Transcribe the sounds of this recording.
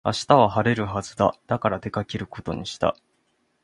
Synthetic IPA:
a̰ɕi̥t̪aβ̞aɦaɾe̞ɾɯ̟ɦazɨd̪a̰d̪̥akaɾad̪e̞kakʲeɾɯ̟ko̞t̪o̞̰ɲ̟iɕi̥t̪a̰

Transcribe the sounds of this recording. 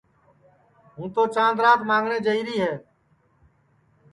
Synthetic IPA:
ɦũːt̪oːt͡ʃãːnd̪ɾaːt̪mãːŋɡɳeːd͡ʒəiːɾiːɦɛː

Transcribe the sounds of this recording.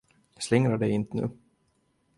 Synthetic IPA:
slɪŋɾaɖɛjɪnt̪nʉ̟̰ː

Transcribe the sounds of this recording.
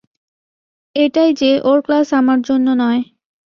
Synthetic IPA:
eʈajd͡ʑeʔoɾklasamaɾd͡ʑonːonɔe

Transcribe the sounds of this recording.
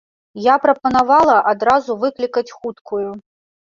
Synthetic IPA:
japɾɐpɐnavalˠɐʔad̪ɾazuvɨklʲikɐt͡sʲxut̪kʰuju

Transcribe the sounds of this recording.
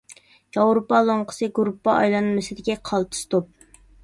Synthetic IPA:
jɑwɾopɑlˠoɴqʰə̥sɨɡuɾupːɑʔɑ̰jlˠɑnmesɪd̪ɪkʲɛqʰɑlˠt̪ʰɨ̥st̪op̚

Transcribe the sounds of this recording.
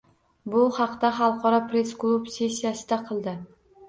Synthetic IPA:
bʊhɑqd̪aχɑlˠqʰɒɾɒpɾe̞sklˠubse̞sʲːijasɪd̪aqʰɨlˠd̪ɪ

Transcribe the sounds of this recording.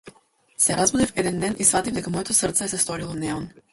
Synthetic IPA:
sɛɾʔazbud̪ifɛd̪ɛnd̪ɛnʔisvat̪ivd̪ɛkamɔjɛt̪osəɾt̪sɛɛsɛst̪ɔɾilˠɔnɛɔn

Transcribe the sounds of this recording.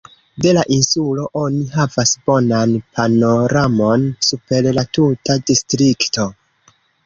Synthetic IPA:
de̞laʔinsulo̞ʔo̞niɦavasbo̞nanpʰano̞ɾamo̞nsupe̞llatutadistɾikto̞

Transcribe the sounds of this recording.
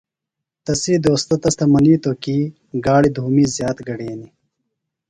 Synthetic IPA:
t̪ɐsiːd̪oːst̪ɐt̪ɐst̪ɐmɐniːt̪oːkiː | ɡaːɽid̪ʱuːmiːzjaːt̪ɡɐɽeːni

